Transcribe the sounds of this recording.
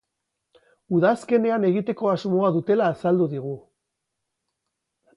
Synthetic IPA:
uðaske̞ne̞ane̞ɣit̪e̞ko̞azmo̞aðut̪e̞laːsald̪uðiɣ̞u

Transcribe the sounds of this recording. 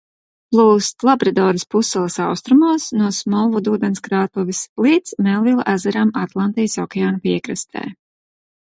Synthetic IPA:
plˠuːst̪lˠabɾad̪ɔːɾispusːɛlˠisawst̪ɾumuɔsnuɔsmɔlˠvud̪uːd̪ɛnskɾaːt̪uvʲislˠiːt̪smɛlˠvilˠaʔæzɛɾamat̪lˠant̪ijsɔkʲeaːnupʲiɛkɾɨst̪ʰɛ̰ː

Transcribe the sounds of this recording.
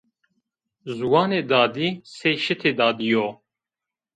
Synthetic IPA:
zuwɑːneːd̪ɑːd̪iːseːʃɨt̪ʰeːd̪ɑːd̪ijoː

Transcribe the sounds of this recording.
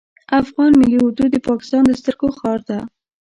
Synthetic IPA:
afɣɑnmɪliʊd̪ud̪əpɑkɪ̥st̪ɑnd̪əst̪əɾɡoxɑɾd̪a

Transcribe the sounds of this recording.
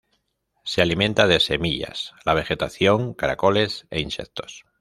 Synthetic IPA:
sealimẽ̞nt̪að̞e̞se̞miʎa̰slaβ̞e̞xe̞t̪aθjo̞ŋkaɾako̞le̞se̞̰inse̞̰kt̪o̞̥s

